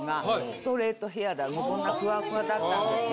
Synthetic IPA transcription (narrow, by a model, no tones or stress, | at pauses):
ɡast̪o̞ɾe̞ːt̪o̞ɦe̞ad̪amokõnd̪akɯ̟βakɯ̟ɡad̪at̪ːãnd̪e